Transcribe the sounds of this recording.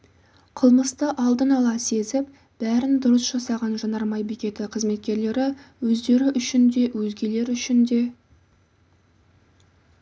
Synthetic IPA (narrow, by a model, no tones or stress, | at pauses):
qʰəlˠməst̪əʔɑlˠd̪ənɑlˠɑse̞zɪp̚ | b̥æɾɪnd̪ʊɾəsʒ̥ɑsɑʁɑnʒɑnɑɾmɑjbikʲe̞t̪ɪqʰəzme̞t̪̚kʲe̞ɾle̞ɾɪwɵzd̪e̞ɾɪʔʏʃɪnd̪e̞wɵzɡʲe̞le̞ɾʏʃɪnd̪e̞